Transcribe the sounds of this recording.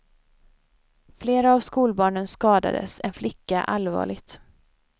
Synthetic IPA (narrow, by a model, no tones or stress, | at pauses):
fleːɾaːvskuːlbɑːɳənskɑːd̪a̰d̪ə̰sɛnflɪkːaʔalvɑ̰ːɭɪɡt̪